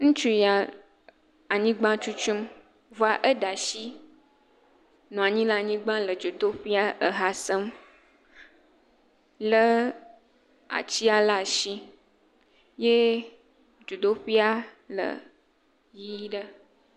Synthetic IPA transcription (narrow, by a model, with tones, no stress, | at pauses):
nũ˦t͡ʃu˦ja˨ | a˨ɲĩ˦ɡ͡bã˦t͡ʃu˦t͡ʃu˦m | vo˦a˨ʔə˦ɖa˨ʃi˦ | nũ˨a˨ɲĩ˦la˨ɲĩ˦ɡ͡bã˦lə˨d͡ʒo˨d̪o˦ɸi˦a˦ʔə˨ɦa˨sə˦m | lə˦ | a̰˨t͡ɕi˦a˦la˨ʃi˦ | je˦ | d͡ʒo˨d̪o˦ɸi˦a˦ | lə̰˨ | ji˦ɖə˦